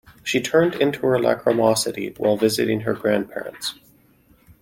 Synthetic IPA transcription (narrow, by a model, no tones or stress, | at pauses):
ʃitʰɜ̃˞ndɪ̃ntʰuə˞læ̰kʰɹəmɑsɨɾḭwʔa̰ɪlˠvɪzɨ̰ɾɪ̃ŋə˞ɡɹæ̃npʰɛ̰ɹə̰̃nts